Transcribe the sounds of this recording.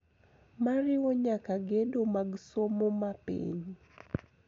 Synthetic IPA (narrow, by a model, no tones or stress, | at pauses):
maɾɪwoɲakaɡedomaɡsomomapḭɲ